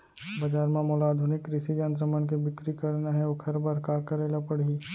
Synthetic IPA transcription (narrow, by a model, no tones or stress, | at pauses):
bɐd͡ʒaːɾmẽmɔːlaːd̪ʱʊnɪkːɾɪʃid͡ʒə̃nt̪ɾəmənkebɪkɾikəɾnaɦɛokʰɐɾbəɾkaːkəɾeːlapəɽ̤i